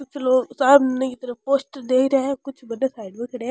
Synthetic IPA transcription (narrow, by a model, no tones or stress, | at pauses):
kʊt͡ʃʰloːɡsaːbnekit̪ɐɾəpoːsʈd̪eːkʰɾɐeɛkʊt͡ʃʰbɐd̪esaːɪɖmẽkɐɽe